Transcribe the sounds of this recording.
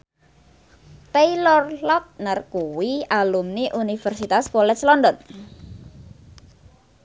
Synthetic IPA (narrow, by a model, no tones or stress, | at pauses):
t̪ejlɔrlɔt̪̚narkuwialumniʔunifərsit̪askɔlɛslɔndɔn